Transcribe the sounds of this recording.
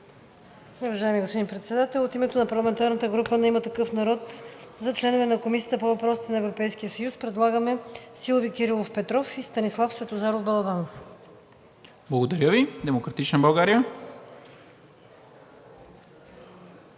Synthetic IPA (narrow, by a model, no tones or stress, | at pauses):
ovɐʒaɛmiɡospod̪inpɾɛt̪sɛd̪at̪ɛlˠot̪imɛt̪onɐpɐɾlˠɐmɛnt̪aɾnət̪əɡɾupənɛimət̪ɐkɤfnɐɾɔt̪zɐt͡ʃlɛnovɛnɐkomisijət̪əpovɐpɾɔsit̪ɛnɐɛvɾopɛjsk̟ijəsəjuspɾɛd̪lˠaɡəmɛsilˠovikʲɛɾilˠofpɛt̪ɾɔfist̪ɐnislˠafskʲət̪ozaɾovbɐlˠɐvans | blˠɐɡod̪ɐɾʲjəvid̪ɛmokɾɐt̪it͡ʃnəbɐlˠɡaɾijə